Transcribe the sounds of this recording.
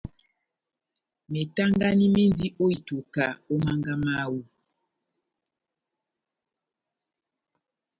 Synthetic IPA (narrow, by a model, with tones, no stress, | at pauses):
me˨ta˦ŋɡa˦ni˦me˦n˦di˦ʔo˦i˨tu˨ka˨o˦ma˦ŋɡa˦ma˦wu˦